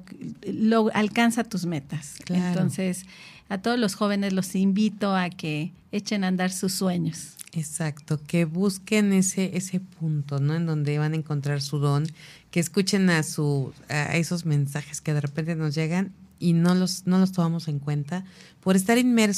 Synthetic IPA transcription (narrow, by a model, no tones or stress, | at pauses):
loalkansat̪usmet̪askleantɾonses | at̪oðozlosxoβeneslosimbit̪oake | et͡ʃenand̪aɾsusːweɲosesakt̪okeβuskeneseʔese̞punt̪onoend̪õ̞nd̪e̞βanaeŋko̞nt̪ɾaɾsuðo̞ŋkeːskut͡ʃe̞nasua̰eso̞zmẽnsaxeskeðe̞repnt̪eno̞zʝeɣaninolosno̞los̬t̪omamo̞se̞ŋkwe̞nt̪apoɾes̬t̪aɾinmeɾs